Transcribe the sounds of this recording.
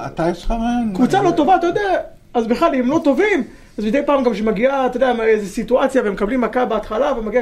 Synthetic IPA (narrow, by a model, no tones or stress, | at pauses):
at̪aeʃχaʁenkvut͡salo̞t̪o̞vaːt̪ajod̪ea | azbeχlalemlo̞t̪o̞vim | azmid̪ejpaːmɡamʃ̬emaɡiat̪odeamezesit̪uat͡sjavemekablimːakabeat̪χalavemaɡia